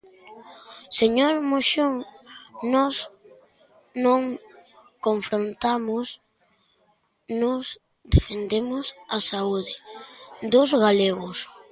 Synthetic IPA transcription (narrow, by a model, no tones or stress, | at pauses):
seɲoɾmoʃoŋnɔs | nõŋ | koɱfɾont̪amʊs | nos | d̪efend̪emʊsasauðɪd̪ʊzɣaleɣʊs